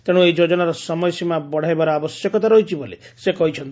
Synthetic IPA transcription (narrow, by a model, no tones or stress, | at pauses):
t̪eɽ̃ũejd͡ʒod͡ʒɔnaɾɔsɔmɔjsimabɔɽ̤ʱajbaɾɔabɔsjɔkɔt̪aɾɔɦit͡ʃʰibolesekɔɦit͡ʃʰɔnt̪